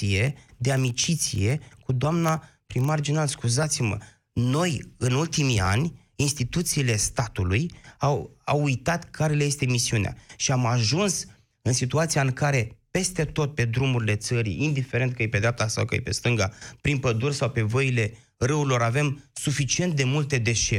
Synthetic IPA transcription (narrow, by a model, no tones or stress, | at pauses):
ije̞d̪eamit͡ʃit̪sḭje̞kud̪oamnapɾimːard͡ʒinalskuzat̪simə̰ | no̞jɨnult̪imia̰nʲ | inst̪it̪ut̪siːle̞st̪at̪ulujawa̰wujt̪at̪kʰaɾe̞leje̞st̪e̞misiunea̰ʃiamaʒuns | ɨnsit̪uat̪siaɨŋkaɾe̞pe̞st̪e̞t̪o̞t̪̚pe̞d̪ɾumuɾile̞t̪səɾḭind̪ife̞ɾe̞nt̪̚kəjepe̞d̪ɾʲap̚t̪asa̰wkə̰jḛpe̞̰st̪ɨŋɡapɾinpəd̪ursawpe̞voile̞ | rɨuilo̞ɾave̞msufit͡ʃie̞nt̪̚d̪e̞mult̪e̞d̪e̞ʃe